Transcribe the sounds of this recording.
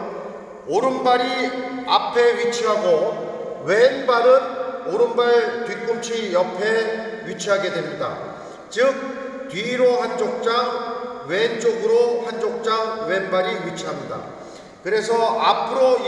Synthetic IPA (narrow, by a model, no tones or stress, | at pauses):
oɾɯnbaɾia̰pʰe̞ɥit͡ɕʰiɦaɡowe̞nbaɾɯnoɾɯnbaɭtɥik͈umt͡ɕʰijʌpʰe̞wɥit͡ɕʰiɦaɡe̞dwe̞mɲida̰ | t͡ɕɯk̚ | tɥiɾohant͡ɕ͈ok̚t͡ɕ͈awe̞nt͡ɕ͈oɡɯɾohant͡ɕok̚t͡ɕ͈aŋwe̞nbaɾiwɥit͡ɕʰiɦamɲida̰ | kɯɾe̞sʰʌapʰɯɾo